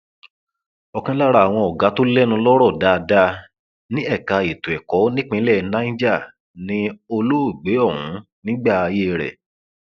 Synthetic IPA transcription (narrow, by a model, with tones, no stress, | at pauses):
ɔ˧kã˦la˦ɾa˧˨w̃ɔ̃˧ɔ˨ɡa˨˦to˦lɛ˦nũ˧lɔ˦ɾɔ˦˨da˧da˧ | nĩ˦ɛ˦˨ka˨e˨tu˨ɛ˨kɔ˨˦nĩ˦k͡pĩ˧˦lɛ˦˨nã˦ĩ˦d͡ʒa˦˨ | nĩ˨˦o˧lo˦o˦˨ɡ͡be˨˦ɔ˦˨wũ˨˦ | nĩ˦ɡ͡ba˦˨a˧je˦˧ɾɛ̰˨